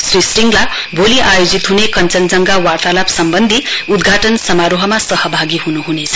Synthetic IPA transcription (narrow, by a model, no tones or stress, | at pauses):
srisriŋɡla | boliʔajod͡zit̪ɦunekʌnt͡sʌnd͡zʌŋɡawart̪alabsʌmbʌnd̪ʱiud̪ɡʱaʈʌnsʌmaɾoɦʌmasʌɦʌbʱaɡiɦunuɦunet͡sʰʌ